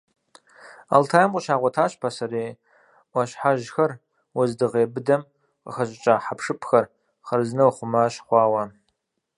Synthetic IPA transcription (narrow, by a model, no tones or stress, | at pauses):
a̰ltʰaːjɐmqʼəʃaːʁʷɐtʰaːɕpʰasɐɾeː | ɐɕħaʒxɐr | wɐzdɨʁeːbɨdɐm | qə̰xɐɕʼɪt͡ʃʼaːħapʂɨpʰxɐr | χɐrznɐwχʷʊmaʃχʷɑːwɐ